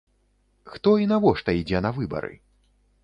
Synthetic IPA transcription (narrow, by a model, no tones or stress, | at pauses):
xt̪ɔinavɔʂt̪ɐid͡zʲɛnɐvɨbɐ̰ɾɨ̰